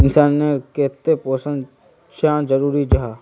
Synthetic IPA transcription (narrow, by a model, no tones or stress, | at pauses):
ɪnsaːnːekeːt̪epoːsə̃n | ʃad͡ʒəɾuːɾid͡ʒɦaː